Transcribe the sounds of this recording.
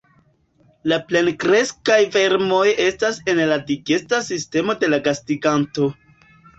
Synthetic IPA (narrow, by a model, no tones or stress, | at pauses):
laple̞nkɾe̞skajve̞ɾmo̞je̞stase̞nladiɡe̞stasiste̞mo̞de̞laɡastiɡanto̞